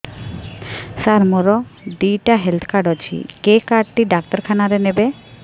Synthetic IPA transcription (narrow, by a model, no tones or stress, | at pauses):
saɾmoɾɔɖijʈaɦelt̪ʰkʰaɾɖɔt͡ʃʰḭkekaɖʈiɖak̚tɔɾkʰanaɾenebe